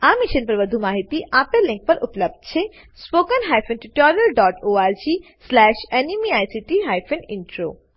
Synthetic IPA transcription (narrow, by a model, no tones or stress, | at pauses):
amiʃənpɾəbəd̪ʱumaɦit̪iʔapeɾlĩŋk̚pɔɾʔṵpləb̚d̪t͡ɕʰe | spokənɦajfʰenʈiʈɔɾiəlɖɔʈoaɾd͡ʑi | slɛʃenimiajsiʈiɦajfʰeniɳʈɾo̰